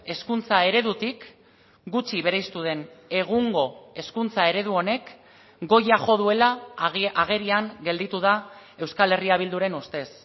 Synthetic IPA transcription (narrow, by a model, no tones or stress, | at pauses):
e̞skunt͡sae̞ɾe̞ðut̪ik | ɡut͡ʃiβe̞ɾajst̪uð̞e̞ne̞ɣ̞uŋɡo̞e̞skunt͡sae̞ɾe̞ð̞uo̞ne̞k | ɡo̞jaʝo̞ð̞ue̞laaɣ̞e̞ɾiaŋɡe̞ld̪it̪uðae̞wskale̞riaβ̞ild̪uɾe̞nust̪e̞s